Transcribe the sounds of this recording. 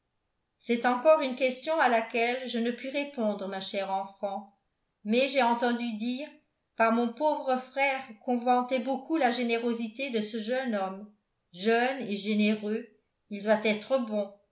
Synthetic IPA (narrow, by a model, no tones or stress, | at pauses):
sɛt̪ɑ̃kɔʁynkʲɛst̪jɔ̃alakʲɛlʒənəpɥiʁepɔ̃d̪ʁəmaʃɛʁɑ̃fɑ̃ | mɛʒɛɑ̃t̪ɑ̃d̪yd̪iːʁ | paʁmɔ̃povʁəfχɛːʁkɔ̃vɑ̃t̪ɛbokulaʒeneʁozit̪ed̪əsəʒœnɔm | ʒœneʒeneʁø | ild̪wat̪ɛt̪χəbɔ̃